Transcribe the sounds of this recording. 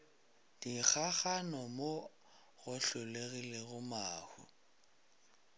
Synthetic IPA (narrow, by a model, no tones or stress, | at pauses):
d̥ik͡xʰaχanɔmo | ɣʊɬʊleɣileɣʊmaːhʊ̰